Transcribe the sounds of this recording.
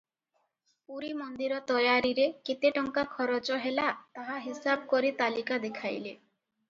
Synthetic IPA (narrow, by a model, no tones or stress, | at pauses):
puɾimɔnd̪iɾɔt̪ɔjaɾiɾeket̪eʈɔŋkakʰɔɾot͡ʃɔɦelat̪aɦaɦisabɔkɔɾit̪alikad̪ekʰajle